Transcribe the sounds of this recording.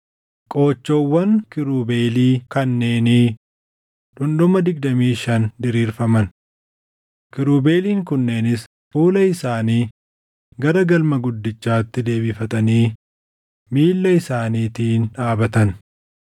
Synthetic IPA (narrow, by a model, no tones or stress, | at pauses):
kʼo̞ːt͡ʃːoːwːɐŋkɪɾuːbeːliːkɐnːe̞ːniː | ᶑʊnɗʊmɐd̪ɪɡ̚d̪ɐmiːʃɐnd̪ɪɾiːɾfɐmɐn | kɪɾuːbe̞ːliːŋkʊnːe̞ːnɪs | fuːlɐɪsaːniː | ɡɐɾɐɡɐlmɐɡʊd̪ːɪt͡ʃːaːt̪ːɪd̪e̞ːbɪfɐt̪ʼɐniː | miːlːɐɪsaːniːt̪iːnᶑaːbɐt̪ɐn